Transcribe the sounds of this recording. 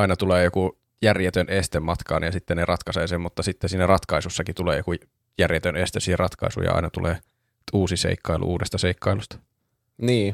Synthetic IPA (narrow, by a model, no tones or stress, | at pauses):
ɑinɑt̪uleːjoku | jærjet̪ønest̪emmɑt̪kɑ̰ːnjɑsit̪ːenerʔɑt̪kɑseːsemmut̪ːɑsit̪ːesiːnærɑt̪kɑisusːɑkit̪ulḛːjoku | jærjet̪ønest̪esiherʔɑt̪kɑ̰isṵjɑ̰ɑ̰inɑt̪ṵlʔḛː | uːsisḛikːɑilṵʔuːdest̪ɑseikːɑilust̪ɑ̥ | niː